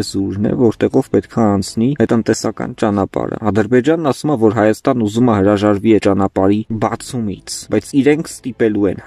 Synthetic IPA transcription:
zuɾnɛ̰vɔɾt̪ɛʁɔvpɛt̪kʰɑːnt͡sʰniət̪ənt̪ɛsɑkɑ̰nt͡ʃɑnɑpɑ̰ɾə̰ɑd̪əɾbɛd͡ʒɑnːɑsumɛvɔɾɦɑjɑst̪ɑnːuzuməɦəɾɑʒɑɾviɛt͡ʃɑnɑpɑɾibɑt͡sʰumḭt͡sʰbɑjt͡sʰiɾɛŋkʰst̪ipɛluɛ̰n

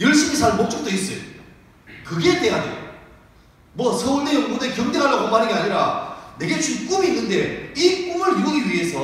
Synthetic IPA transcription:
jʌɭɕ͈imisʰaɭmok̚t͡ɕ͈ʌk̚t͈ois͈ʌjo̰ | kɯɡe̞t͈eɡadḛjo̰ | mwʌsʰʌuɭdejʌŋɡodekjʌmdeɦaɭːaɡomaɾɯnɡeaɲiɾane̞ɡe̞t͡ɕuk͈uminːɯnde̞ik͈umɯɭjuʌɡiɥie̞sʰʌ

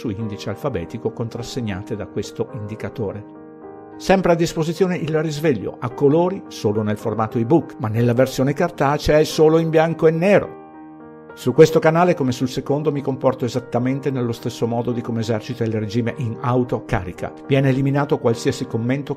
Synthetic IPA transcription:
suind̪it͡ʃealfabɛ̰ːt̪ikokont̪ɾasːeɲːaːt̪ed̪akwest̪oʔind̪ikat̪oːɾe | sɛmpɾead̪ːispozit̪sːjoːneʔilrizveʎːo̰akːoloːɾisoːlonelformaːt̪oibukmanːelːaversjoːnekart̪at͡ʃeɛsoːloimbjaŋkoenːɛːɾo̰ | sukːwest̪okanaːlekomesulsekond̪omikompɔrt̪oezat̪ːament̪enelːost̪esːomɔːd̪od̪ikomeːzɛrt͡ʃit̪ailred͡ʒiːmeʔinawt̪oka̰ːɾikʰa̰vjɛːneːliminaːt̪okwalsiːasikomːent̪o

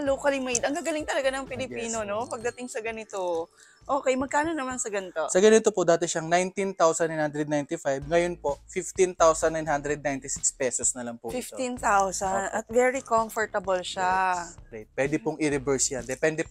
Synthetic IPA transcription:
loːkɐlimejd̪ɐŋɡaːɡɐlɪŋt̪ɐlɐɡanɐŋpɪlɪpiːnonopɐɡ̚d̪ɐt̪ɪŋsɐɡɐnɪt̪o | ʔoːkɛjmɐɡ̚kaːno̞nɐmansɐɡɐnt̪osɐɡɐnɪt̪opod̪aːt̪ɛʃɐŋnajnt̪int̪awsɐnːajnhand̪ɾɛd̪̚najnt̪ɪfajb̚ŋɐjonpo̞fɪft̪int̪awsɐnːajnhand̪ɾɛd̪̚najnt̪ɪsɪkspɛːsosnɐlɐŋpʊfɪft̪int̪awsɐnʔɐt̪̚vɛɹikoɱfɐɹt̪ɐbɐlʃakɐjpwɛd̪ɛpʊŋʔɪɾɪbɛɹsjand̪ɛpɛnd̪ɛ

